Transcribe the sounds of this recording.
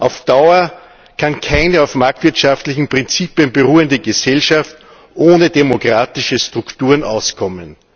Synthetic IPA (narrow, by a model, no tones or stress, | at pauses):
ʔaʊfd̥aʊɐ | kʰankʰaɪnəaʊfmaɐk̚tv̥ɪɐtʃaftlɪçn̩pʁ̥ɪnt͡siːpjənbəʁuːəndəɡəsɛlʃaft | ʔoːnədemokʁ̥aːtɪʃəstʁ̥ʊktuːɐʁnʔaʊskʰɔmən